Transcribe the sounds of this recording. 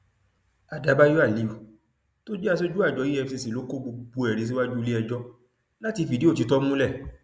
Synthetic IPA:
a˧da˨˧˦ba˦ju˦a˦˨li˨u˨ | to˦d͡ʒɛ˦a˧s̬o˦d͡ʒu˦a˦˨d͡ʒɔ˨˦i˦ɛ˧˨se˧si˨lo˨˦ko˦ɡ͡bu˧ɡ͡bu˨˧ɛ˨ɾĩ˨˧s̬i˦wa˦d͡ʒu˦˧li˦ɛ˧d͡ʒɔ˦ | la˦ti˧fi˨di˨˦o˦˨ti˨˦tɔ˦mũ˦lɛ˦˨

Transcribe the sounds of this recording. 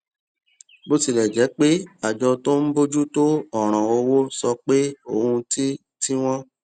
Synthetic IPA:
bo˦ti˧˨lɛ˨d͡ʒɛ˨˦k͡pe˦a˨d͡ʒɔ˧to˦m̩˦bo˦d͡ʒu˦to˦ɔ˦˨ɾ̃ã˨o˧wo˦sɔ˧k͡pe˦o˦˨hũ˧ti˦ | ti˦w̃ɔ̃˦

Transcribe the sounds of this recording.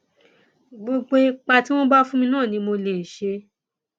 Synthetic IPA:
ɡ͡bo˧ɡ͡be˧k͡pa˧ti˦w̃ɔ̃˦ba˦fũ˦mĩ˧nãː˦˨nĩ˧mo˧le˨n̩˨ʃe˧

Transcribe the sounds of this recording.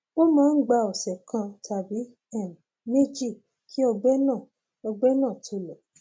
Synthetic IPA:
wo˦mãː˦n̩˦ɡ͡ba˧ɔ˨sɛ˨kʰã˧tʰa˨bi˨˦ | ɛ˦˨m˨ | me˦d͡ʒi˦˨ | kʰi˦ɔ˧ɡ͡bɛ˦nãː˦˨ | ɔ˧ɡ͡bɛ˦nãː˦˨tʰo˧˦lɔ˨

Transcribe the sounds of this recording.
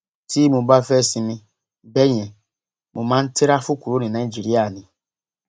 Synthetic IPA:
ti˦mũ˨ba˦fɛ˦˨si˨nɪ̃˨ | be˦ɲɛ˨ | mu˨mã˦n̩˦tɪ˦ɾa˦fu˦kʷu˨ɾo˦ni˨na˨i˦d͡ʒi˨ɾi˦a˨nɪ˨

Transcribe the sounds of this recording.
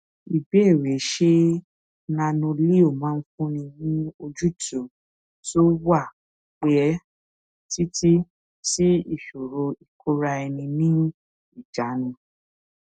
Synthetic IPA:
i˨be˨˦e˦˨ɾe˨˦ʃe˦ | nã˧nũ˧li˦o˦˨mãː˨˦n̩˦fũ˦nĩ˧nĩ˦o˧d͡ʒu˦tu˨ | to˦wa˦˨ | k͡pe˦ɛ˦ | ti˦ti˦ | ti˦i˦˨ʃo˨ɾo˧i˨kʰo˦ɾa˧ɛ˧nĩ˧nĩ˦ | i˦˨d͡ʒa˨˦nĩ˧

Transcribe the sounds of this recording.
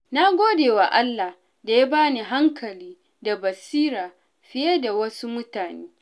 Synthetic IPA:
na˦ɡʷoː˦deː˨wa˨ʔa˦lːa˨h | da˨ja˦baː˦niː˨ɦa˦ŋkʰɐ˨liː˦ | da˨bɐ˨siː˦ɾaː˨ | ɸɪ˦je˦da˨wɐ˦su˦mʊ˦taː˨neː˦

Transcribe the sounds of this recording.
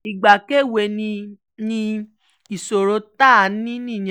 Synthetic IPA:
i˨ɡ͡ba˨ke˦˨we˧nĩ˧ | nĩ˧ | i˨so˨ɾo˧˦ta˦˨˦nĩ˦nĩ˦˨j̃

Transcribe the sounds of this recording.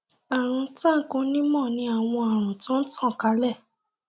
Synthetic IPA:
a˨ɾ̃ũ˧ta˦˨kũ˧˦nĩ˦mɔ̃˦˨nĩ˧a˨w̃ɔ̃˧a˨ɾ̃ũ˨tɔ̃˦n̩˦tʰɔ̃˦˨ka˨˦lɛ˦˨

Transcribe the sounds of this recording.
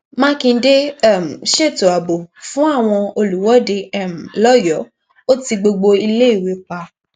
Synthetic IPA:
mã˦kĩ˧˦de˦˨m̩˨ʃe˦˨to˨a˨bo˨fũ˦a˦˨w̃ɔ̃˧o˧lu˨˦wɔ˨˦de˧ɛ˦˨m̩˨lɔ˦˨jɔ˨˦ | o˦ti˧ɡ͡bo˧ɡ͡bo˧i˧le˦i˦˨we˨˦k͡pa˧

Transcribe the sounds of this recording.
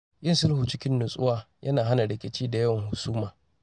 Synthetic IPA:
jɪ˦nsʊ˦lhu˨t͡ʃɪ˦kʲɪ˦nːʊ˨sʼʊ̰˦waː˦ | jʔɐ˦naː˨ɦa˦na˨ɽɪ˨kʲe˨t͡ʃiː˦da˨jɐ˦wɐ˨ŋhʊ˨suː˦maː˨

